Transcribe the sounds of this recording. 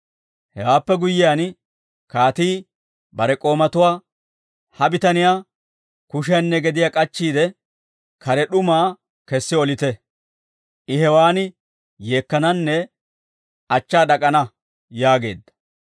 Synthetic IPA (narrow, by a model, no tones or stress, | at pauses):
hɛwaːpːɛɡʊjːɪjaːn | kaːt̪iː | bɐɾɛkʼo̞ːmɐt̪ʊwaː | hɐbɪt̪ɐnɪjaː | kʊʃ̬ɪjanːɛɡɛd̪ɪjakʼɐt͡ʃːiːd̪ɛ | kɐɾɛɗʊmaː | kɛsːɪɔlɪt̪ɛ | ʔɪɦɛwaːnɪ | je̞ːkːɐnɐnːɛ | ɐt͡ʃːaːɗɐkʼɐnɐ | jaːɡe̞̰ːd̪ːɐ̥